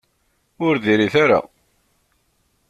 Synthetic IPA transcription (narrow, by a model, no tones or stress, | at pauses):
ʊɾðiɾiθaɾa̰